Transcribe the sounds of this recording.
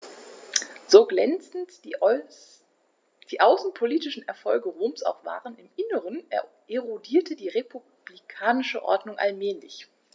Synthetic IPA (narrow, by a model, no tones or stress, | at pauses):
z̥oːɡlɛnt͡snt | d̥iːʔaʊsn̩pʰoliːtɪʃn̩ʔɛɐfɔlɡəʁoːmsʔa̰ʊxv̥a̰ːʁənɪmʔɪnəʁən | ʔeʁodiːɐtʰədiːʁepʰu | b̥likʰaːnɪʃəʔɔ̰ɐdnʊŋʔa̰lmɛːlɪ̰ç